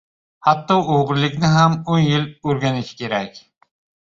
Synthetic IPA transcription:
hɑt̪ːɒoʁɾlˠɪkʲnɪɦæmonjiløɾɡʲɛnɪʃʰɪ̥kʲʰeɾɛkʲ

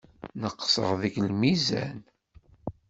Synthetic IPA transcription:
nəqːsə̰ʁðəɡlmizæ̰n

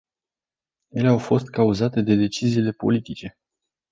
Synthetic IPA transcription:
je̞le̞awfo̞st̪̚kauzat̪e̞d̪e̞d̪e̞t͡ʃiziːle̞po̞̰lit̪it͡ʃe̞

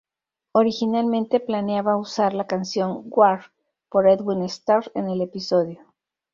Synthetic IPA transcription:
o̞ɾixinalmẽnt̪e̞planjaβausaɾlakansjo̞ŋɡwaɾ | po̞ɾed̪winest̪aɾe̞̰nele̞piso̞ðjo

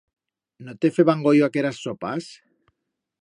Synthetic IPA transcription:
not̪efeβaŋɡojoakeɾasːopas

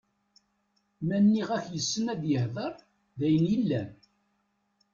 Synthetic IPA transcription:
mænːiʁæçjəsːənæd̪jəhðˤəɾˤ | ðæjənjilːæn

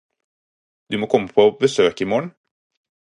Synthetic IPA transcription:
d̪̥ʉmoːkʰɔmːəpʰobəsøːkɪmoːɳ

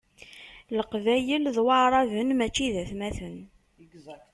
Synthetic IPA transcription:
ləqvæjəlðwɑɾˤɑvənmæt͡ʃːiðæθmæθən

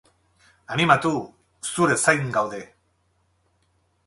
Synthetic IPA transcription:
animat̪u | suɾe̞sajŋɡawðe̞

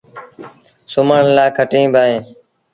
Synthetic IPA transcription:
sʊməɳlaːkʰəʈĩːbʱaːẽː

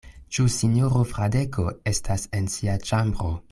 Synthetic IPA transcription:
t͡ʃusinjoɾofɾadekʰoe̞stʰasensiat͡ʃambɾo

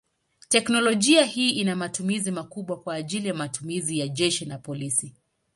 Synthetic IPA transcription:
tɛknɔlɔʄiahiːʔinamatumizimakuɓwakwaːʄilijamatumizijaʄɛʃinapɔlisi

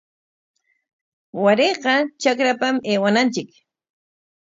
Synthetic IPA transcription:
waɾejqɑt͡ʃakɾapameːwanant͡ʃɪk

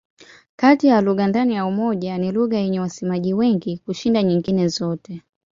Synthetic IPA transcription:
katijaluɣandanijaumɔʄaniluɣajɛɲɛwasɛmaʄiwɛŋɡikuʃindaɲiŋɡinɛzɔtɛ

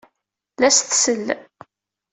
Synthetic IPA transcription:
læsθsəlː

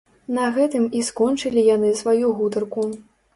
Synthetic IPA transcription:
nɐɣɛt̪ɨmiskɔnt͡ʂɨlʲijan̪ɨsvajuɣut̪ɐrku

